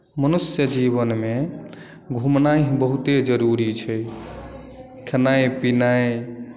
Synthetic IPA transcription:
mənusjəd͡ʒiβənme | ɡʱumnaɦbəɦut̪ed͡ʒəɾuɾit͡ʃʰɛ | kʰənajpinae

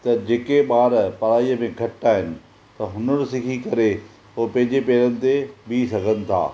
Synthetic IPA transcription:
t̪ɐd͡ʑeːkeɓaːɾpɐɾaːijəmẽɡʱɐʈaːɦɪnɪ̆ | t̪ɐɦʊnəɾɪsɪkʰikɐɾe | ɦopɐ̃ɦɪ̃ɲd͡ʑepeːɾənɪ̆t̪ebisɐɡʱənɪ̆t̪ʰa̰ː

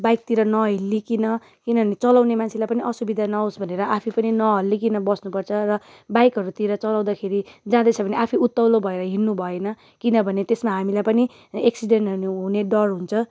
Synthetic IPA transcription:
bajk̚t̪iɾʌnʌɦilːikinʌ | kinʌbʱʌnet͡sʌlawnemant͡sʰelajpʌniʔʌsubid̪ʱanʌɦosbʱʌneɾʌʔapʰipʌninʌɦʌlːik̬inʌbʌsnupʌrt͡sʰʌrʌ | bajkɦʌɾut̪iɾʌt͡sʌlaw̃d̪akʰeɾid͡zãd̪ʌt͡sʰʌbʌniʔapʰiut̪ːʌwlobʱʌeɾʌɦinːubʱʌenʌ | kinʌbʱʌnet̪esmaɦamilajpʌni | eksiɖenʈɦʌnuɦuneɖʌrɦunt͡sʰʌ

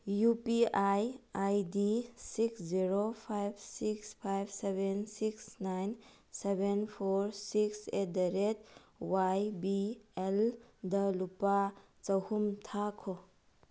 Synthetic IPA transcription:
jupiajajdisiksziɾopʰajb̚ʰsikspʰajbsebensiksnajn | sebenpʰoɾsikset̚dɐɾet̚ | wajbieldʌlupa | t͡ʃɐwhumtʰakʰo

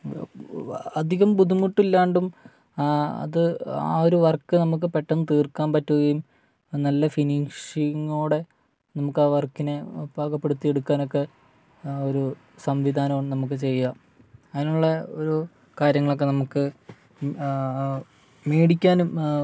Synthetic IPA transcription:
ɐd̪ʱiɣɐmbud̪umuʈːilːaːɳɖum | ɐ̰ðɨa̰ːo̞ɾuʋɐrkːɨnɐmuk̬ːɨpe̞ʈːɐnːɨt̪iːrkːaːnpɐtːuɣɐjum | nɐlːɐfiniŋʂiŋːoːɽe̞ | nɐmukːaːʋɐrkːinebʱaːɡɐpːe̞ɽut̪ːijeɽukːaːno̞kːe̞ | o̞ɾu | sɐmʋid̪ʱaːnɐɳnɐmuk̬ːɨt͡ɕe̞jːa | ɐðinuɭːɐo̞ɾu | kaːɾjɐŋːɐɭo̞k̬ːe̞nɐmukːɨ | meːɽikʲːaːnum

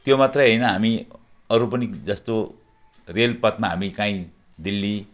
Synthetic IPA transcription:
t̪jomat̪rʌɦʌjnʌɦami | ʌɾupʌnid͡zʌst̪o | relpʌt̪maɦamikãĩ | d̪ilːi

